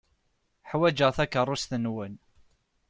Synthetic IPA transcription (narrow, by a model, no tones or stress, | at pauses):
ħwæd͡ʒəʁθækːərˤːʊsθənwən